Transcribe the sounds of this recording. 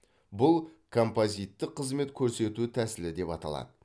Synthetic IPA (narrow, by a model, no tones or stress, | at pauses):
bʊlˠ | kʰo̞mpozijt̪ːɪqʰːəzme̞t̪kʲʰɵɾse̞t̪ut̪ʰæsɪlɪd̪e̞pɑt̪ɑ̰lˠɑ̰d̪ə